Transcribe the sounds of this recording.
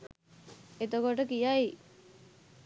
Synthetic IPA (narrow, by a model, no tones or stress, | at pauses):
et̪okoʈəkijaj